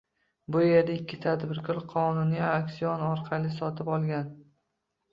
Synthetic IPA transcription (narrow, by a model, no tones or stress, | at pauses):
bʊje̞ɾd̪aɪkʲːɪt̪ʰad̪bɪɾkʰɒlˠqʰɒnʊnjaakʲsiɒnɒɾqʰɑlɪsɒt̪ʰɪpɒlˠɡʲan